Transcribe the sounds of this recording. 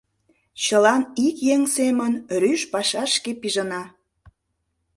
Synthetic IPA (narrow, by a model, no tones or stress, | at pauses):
t͡ɕəlɑnikjeŋsemənryʃpɑʃɑʃkepiʒənɑ